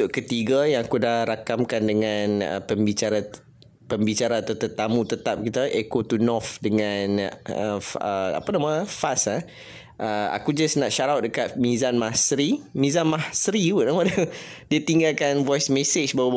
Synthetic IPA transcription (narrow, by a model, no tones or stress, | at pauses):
ʊʔkət̪iɡajãŋakudahɾakamkandəŋãnə̰pəmbit͡ʃaɾa | pəmbit͡ʃaɾaat̪at̪ət̪amũt̪ət̪ap̚kit̪əʔekot̪unɔfdəŋãnə̰ə̰a̰pənaməfasa | ʔəa̰kud͡ʒasnaʔʃaɾawt̪̚dəkat̪̚mizanmahsɾimĩzanmahsɾibuʔnamədədiət̪iŋɡalkanvɔjsmeset͡ʃbawa